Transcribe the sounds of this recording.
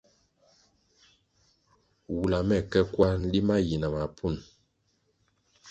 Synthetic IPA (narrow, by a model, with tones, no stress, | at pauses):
wu˨la˨mɛ˦˨kɛ˦kwa˦n̩˦li˦ma˦ji˨na˨ma˨pʰu˦˨n